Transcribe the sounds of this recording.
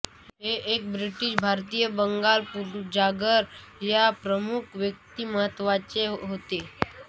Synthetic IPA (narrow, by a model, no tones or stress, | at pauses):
ɦeʔek̚bɾiʈiʃbʱaɾt̪ijəbəŋɡalpuɾd͡ʑaɡəɾjapɾəmukʰʋjək̚t̪iməɦət̪ːʋat͡seɦot̪e